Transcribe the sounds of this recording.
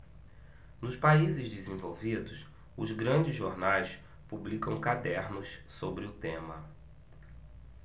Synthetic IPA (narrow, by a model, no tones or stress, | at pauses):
nʊspaizɪzd͡ʒɪzẽvowvid̪ʊs | ʊzɡɾɐ̃d͡ʒɪzʒoɾnajs | publikɐ̃w̃kad̪ɛɾnʊssobɾɪʊt̪ẽmɐ